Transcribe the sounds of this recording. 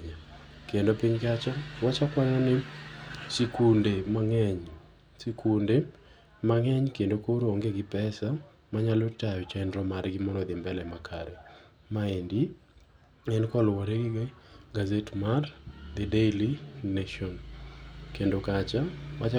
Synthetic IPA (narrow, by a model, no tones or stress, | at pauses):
ɲakendopiɲkat͡ʃawat͡ʃakwaɲanɪsikundemaŋɛɲ | sikunde | maŋɛɲkendokoɾooŋɡeɡɪpɛsa | maɲalɔt͡ʃajɔt͡ʃɛndɾɔmarɡɪmɔnɔd̪ɪmbɛlɛmakʰa̰ɾɛ | maendi | ɛnkɔlwɔɾeɡɪɡazetmard̪ɛdelinaʃɔn | kendokat͡ʃawat͡ʃa